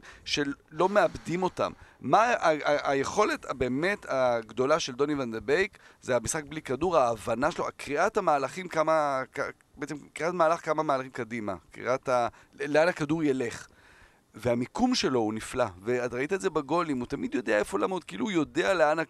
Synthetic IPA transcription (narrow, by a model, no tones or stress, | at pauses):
ʃe̞lo̞meabdimo̞ta̰mmaaaaje̞χo̞le̞tʰabe̞ːme̞taɡdo̞laʃe̞ld̪o̞nivand̪ebejkzeamisχak̚blikaduʁaːvanaʃeloakʁiathamaːlaχimkamaka | beet͡semkʁiatmaːlaχkamamaːlaχimkadima̰kʁḭʔata | leanhakaduʁjele̞χ | veamikumʃe̞lo̞uniflaveatʁaitaeze̞baɡo̞limutamidjo̞deaefo̞lamod̚keilujo̞de̞ale̞ana